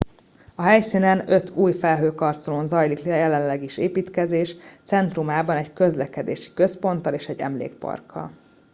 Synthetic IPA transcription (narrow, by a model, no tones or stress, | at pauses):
ɒɦɛjsinɛnø̞t̪ʰuːjfɛlɦøːkɒrt̪solonzɒjlikɛjɛlɛllːɛɡiʃeːpiːt̪kɛzeːʃt̪sɛnt̪rumaːbɒnɛɟkø̞zlɛkɛd̪ḛːʃi̥kø̞spo̞nt̪ɒleːʃɛɟːɛ̰mlḛːk̚pɒ̰rkʰːɒ̰l